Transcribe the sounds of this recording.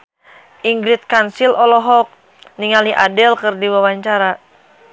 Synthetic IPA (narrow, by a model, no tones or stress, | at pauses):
ʔiŋɡɾɪt̪̚kansilʔɔlɔɦɔk̚ | niŋaliʔa̰dɛlkɨrdiwawaɲt͡ʃaɾa